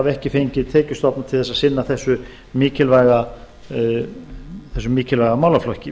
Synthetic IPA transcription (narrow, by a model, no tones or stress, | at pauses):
avɛhcɪfejɲcɪðt̪ʰɛːcʏst̪ɔpnat̪ʰɪlθɛsaðsɪnːaθɛsːʏ | miːcɪlvajɣa | θɛsːʏmiːcɪlvajɣamaːwlaflɔhcɪ